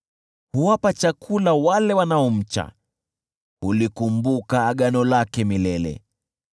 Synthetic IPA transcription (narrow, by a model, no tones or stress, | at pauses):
huwapat͡ʃakʰulawalɛwanaɔm̩t͡ʃa̰ | ulikumbukaːɠanɔlakɛmilɛlɛ̰